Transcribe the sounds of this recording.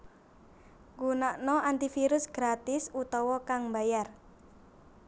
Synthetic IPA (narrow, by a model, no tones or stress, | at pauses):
ŋɡunaʔnɔant̪ifiɾʊsɡ̥ɾat̪ɪsut̪ɔwɔkaŋmbajar